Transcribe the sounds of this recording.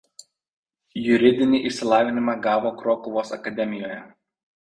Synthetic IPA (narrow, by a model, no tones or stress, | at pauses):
jʊɾʲɪd̪ʲɪnʲɪʔɪʃʲsʲɪlˠɑːʋʲɪnʲɪmɑɡɑːʋoːkɾoːkʊʋoːsɐ̰kɐd̪ʲɛmʲɪjoːjɛ